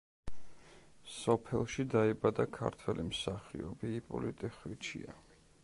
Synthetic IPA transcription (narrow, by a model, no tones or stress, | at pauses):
sɔpʰɛlˠʃid̪aibad̪akʰa̰ɾt̪ʰwɛlimsaχiɔbiːpʼɔ̰lit̪ʼɛχwit͡ʃʰḭa